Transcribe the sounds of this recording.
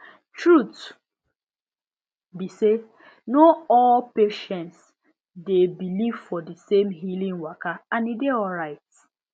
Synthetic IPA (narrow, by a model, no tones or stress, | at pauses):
tɹut | bise | noɔlpeʃɛ̃nts | debiliv̥fɔdisemɦilĩŋwakaãnideɔlɹaɪt